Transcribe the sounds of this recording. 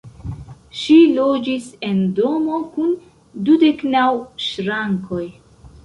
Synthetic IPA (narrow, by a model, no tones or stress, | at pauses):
ʃilo̞d͡ʒise̞ndo̞mo̞kun | dude̞knawʃɾaŋko̞j